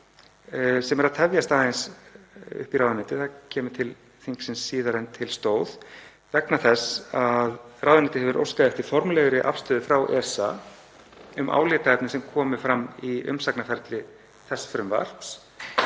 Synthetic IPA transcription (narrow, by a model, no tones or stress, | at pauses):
sɛmɛɾaðt̪ʰɛvjast̪aːðens | ʏ̰hpiɾawðɪnɪt̪ɪθacʰɛːmʏ̥t̪ʰɪl | θiŋksɪnsːiːðaɾent̪ʰɪlst̪oːwð | vɛknaθɛsaðrawðɪnɪːt̪ɪhɛvʏɾʔo̰wskaðɛft̪ɪ̥fɔɾmlɛɣʏɾɪʔa̰fst̪œːðʏfɾawʔɛsa | ʏmʔa̰ːwlɛːt̪aɛpnɪsɛmkʰɔːmʏfɾamːiʏ̰msaknafɛɾt̪lɪ | θɛsːfɾʏmva̰r̥ps